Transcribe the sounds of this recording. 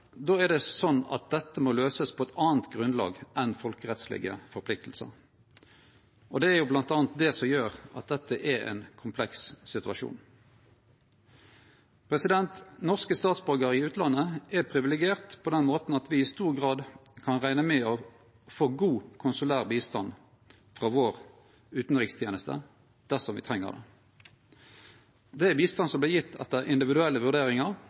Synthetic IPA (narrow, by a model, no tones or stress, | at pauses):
d̪oːæʁd̪ɛsɔnːɑ̰t̪̚d̪ɛt̪ːəmoløːsəspʰɔɛt̪ʰɑːnt̪ɡʁʉnlɑ̰ːɡʔɛnfɔlkəʁɛt̪slɪ̰ɡə̰fɔʁpʰlɪk̚t̪ʰl̩sə̰ | ʔɔd̪ɛːɾjʊblɑnt̪ɑːnt̪̚d̪ɛsɔmjøːʁɑt̪̚d̪ɛt̪ːəʔɛɛ̰nkʰʊmpʰlɛkssɪt̪ʉɑʃṵːn | pʰʁɛsɪd̪ɛnt̪nɔʁskəst̪ɑːt̪sbɔɡəʁɪʉːt̪ʰlɑnəɛpʰʁɪʋɪlɛɡɪeːʁt̪pʰɔd̪ɛnmoːt̪n̩ɑt̪ʋɪɪst̪uːʁɡʁɑːd̪kʰɑnʁæɪnəmɛɔ | foːɡuːkʰʊnsʉlæːʁbiːst̪ɑn | fʁɑːʋoːʁ | ʉːt̪n̩ʁɪkst̪ʰjeːnəst̪ə̰ | d̪̥æʁsɔmʋɪ̰t̪ʰʁɛŋːə̰ʁd̪ɛ̰ | d̪ɛæbiːst̪ɑnsɔmblɪːjɪt̪ʰːɛ̰t̪ːəʁʔɪnd̪ɪʋɪd̪ʉɛlːəʋʉʁd̪eːʁɪŋəʁ